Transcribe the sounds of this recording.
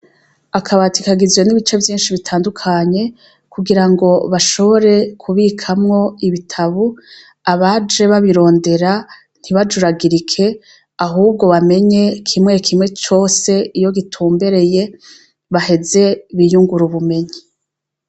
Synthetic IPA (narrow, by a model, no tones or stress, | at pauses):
akʰaβatʰikaɡizwe̞niβit͡ʃe̞vjiːnʃiβitʰaːndukʰaɲe̞ | kuɡiɾaŋɡo̞βaʃo̞βo̞ɾe̞kʰuβikʰamŋo̞iβitʰaβu | aβad͡ʒe̞βaβiɾo̞ːnde̞ɾa | n̥iβad͡ʒuɾaɡiɾikʰe̞ | aɦuːb̚ɡo̞βame̞ɲe̞kʰimŋe̞kʰimŋe̞t͡ʃo̞ːse̞ijo̞ɡitʰuːmbe̞ɾe̞je̞ | βahe̞ze̞βijuŋɡuɾuβume̞ɲi